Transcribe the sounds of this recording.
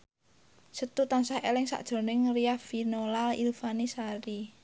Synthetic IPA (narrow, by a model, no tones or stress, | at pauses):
sət̪ut̪ansahelɪŋsa̰ʔd̥ʒ̥o̤nɪŋriafinolalḭlfanisaɾi